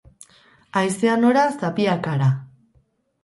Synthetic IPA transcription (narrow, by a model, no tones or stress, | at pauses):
ajseano̞ɾasapiakaɾa